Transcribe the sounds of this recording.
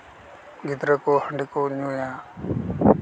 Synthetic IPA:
ɡɪd̪ɾəkoːhəɳɖikoːɲũːjãː

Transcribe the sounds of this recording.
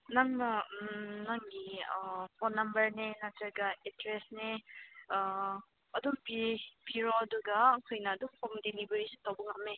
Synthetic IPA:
naŋnɐ | naŋɡipʰɔnːɐmbɐɾnenatɐɾɡɐetɾesne | ɐdupipiɾɔɐduɡaŋkʰɔjnɐːdupʰɔmdenibɯɾisi̥tawbuŋɐme

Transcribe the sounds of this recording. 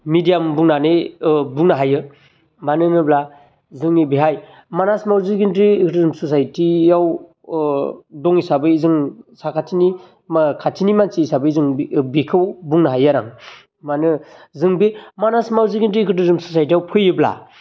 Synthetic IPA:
midijambuŋnanɯbuŋnaɦajɯ | manɯnɯbla | zɯŋibiɦaj | manasmawziɡintɾikʰɯtɯzumsɔs̬ajtiaw | dɔŋisabɯizɯŋsakʰatʰini | makʰatʰinimansiːsabɯzɯŋbikʰɯwbuŋnaɦajaɾaŋ | manɯzɯŋbimanasmawziɡintɾikʰɯtɯzɯmsɔsajt̬ijawpʰɯjɯbla̰

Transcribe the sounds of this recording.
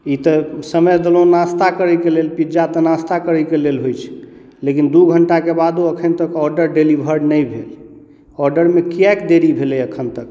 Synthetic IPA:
it̪əsəməjd̪əlõnast̪akəɾəjkelelpid͡ʒat̪ənast̪akəɾəkelelɦojt͡ʃʰɛ̥ | lekind̪uɡʱəɳʈakebad̪uəkʰənt̪əkɔɾɖəɾɖelibʱəɾɖnəjbʱel | ɔɾɖəɾmekiɛkd̪eɾibʱelɛjəkʰənt̪ək

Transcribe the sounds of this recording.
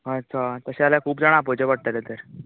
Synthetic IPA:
ətːt͡ɕʰat̪əɕealakʰuːp̚d͡zaɽ̃apod͡ʑeʋaɽ̚t̪alet̪əɾ

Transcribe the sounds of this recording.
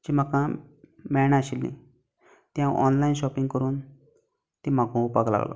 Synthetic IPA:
d͡ʑim̤akãmɛɳaɕilnḭ̃ | t̪jãʔɔnlainɕɔpiŋɡkəɾuːn | t̪im̤aɡʱũpakla̰ɡlɔ̰

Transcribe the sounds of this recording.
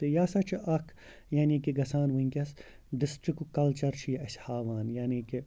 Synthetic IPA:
t̪ejaːsɐt͡ʃʰʔɐkʰ | jaːnikiɡɐsaːnʋɐĩŋkʲɐs | ɖɪsʈɾikukːɐlt͡ʃɐɾt͡ʃʰijʔɐshaːʋaːnjaːniːke

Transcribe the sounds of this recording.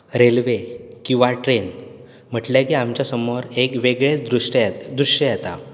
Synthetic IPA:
ɾelʋekĩw̃ʋaʈɾen | m̤əʈljakiamt͡ɕjasəmoɾekʋeɡɭet͡sd̪ɾuʂjd̪ɾuʂjəjet̪a̰

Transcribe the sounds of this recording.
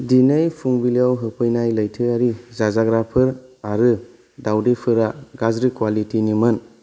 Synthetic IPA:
dinɯjpʰuŋbilijawɦɯpʰɯjnajləjtʰɯaɾizazaɡɾapʰɯɾaɾɯ | dawdepʰɯɾaɡazɾikwalitinimɯn

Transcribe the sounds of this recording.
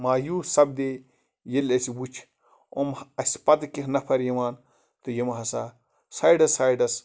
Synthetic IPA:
maːjuːsɐb̚d̪e | jelʲɐsibut͡ʃʰ | o̰mɐsʲpɐd̪kihnɐpʰɐɾjɐʋaːn | t̪ojemɦɐsaː | saːjɖɐsaːjɖɐs

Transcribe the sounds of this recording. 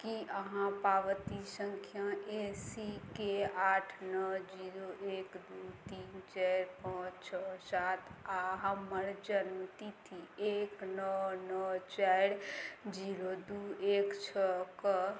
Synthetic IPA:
kiʔəɦãpaʋət̪isə̃ŋkʰjaesikeaːʈʰnəd͡ʒiːɾoʔeːkd̪ut̪iːnt͡ʃaɾpãt͡ʃʰəsaːt̪ʰaɦəməɾd͡ʒənmt̪it̪ʰieːknənət͡ʃaɾd͡ʒiɾod̪ueːkt͡ʃʰəkə

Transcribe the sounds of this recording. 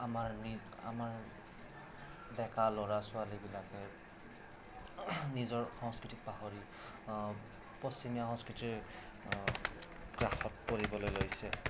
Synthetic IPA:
amaɹni | a̰maɹ | dɛkalɔɹasʊalibilakɛ | nizɔɹxɔŋskɹitik̚paɦoɹi | pɔsimijaxɔ̃ŋskɹitiɹ | kɹaxɔt̚poɹibɔlojlojsɛ

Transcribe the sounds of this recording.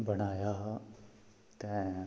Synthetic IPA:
bɐɽ̃aːja | t̪ɛ̃

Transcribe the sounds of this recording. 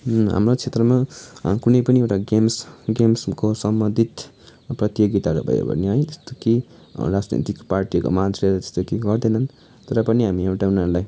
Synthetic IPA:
ɦa̰mrot͡sʰet̪rʌmakunʌjpʌniewʈaɡemsɡemskosʌmbʌnd̪ʱit̪ | prʌt̪joɡit̪aɾo̰bʱʌ̰jḛbʌ̰niɦʌj̃t̪est̪oke | rad͡znḭt̪ikparʈiko̰mat̪ɾeɾt̪e̥st̪okeɡʌrd̪ʌnʌn | t̪ʌɾʌpʌniɦamiewʈaunaɾulaj

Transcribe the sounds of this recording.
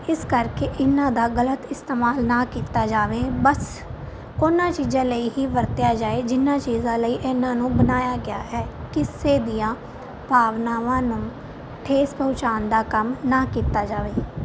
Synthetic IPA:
ɪskəɾkeːʔɪnːãːd̪aːɡələt̪ɪst̪eːmaːlnaːkiːt̪aːd͡ʒaːʋeːbəs | koːnːãːt͡ʃiːzãːləiːɦiːʋəɾt̪jaːd͡ʒaːeːd͡ʒɪnãːt͡ʃiːzãːləiːʔɪnãːnũːbənaːjaːɡɪaːɦɛːkɪseːd̪ɪjãː | bʱaːʋnaːʋãːnʊ̃ː | ʈʰeːspəʊt͡ʃaːnd̪aːkəmnãːkiːt̪aːd͡ʒaːʋeː

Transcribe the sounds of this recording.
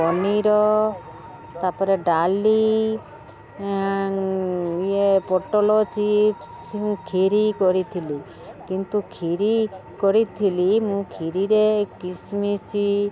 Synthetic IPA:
ɔniɾɔ | t̪apɔɾeɖali | iepɔʈɔlɔt͡ʃʰi | siũkʰiɾikɔɾit̪ʰili | kint̪ukʰiɾikɔɾit̪ʰilimũkʰiɾiɾekismit͡ʃʰi

